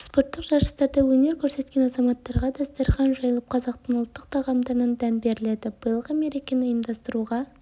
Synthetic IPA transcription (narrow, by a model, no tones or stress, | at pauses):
spo̞ɾt̪ːəqʒɑɾʃə̥st̪ɑɾd̪ɑwɵne̞ɾkʲʰɵɾse̞t̪kʲe̞nɑzɑmɑt̪ːɑɾʁɑd̪ɑst̪ɑɾχɑnʒɑjəlˠəp̚qʰɑzɑqt̪ənʊlˠt̪ːəq̚t̪ʰɑʁɑmd̪ɑɾnɑnd̪ænbe̞ɾɪle̞d̪ɪbəjəlˠʁəme̞ɾekʲenɪəmd̪ɑst̪əɾuʁɑ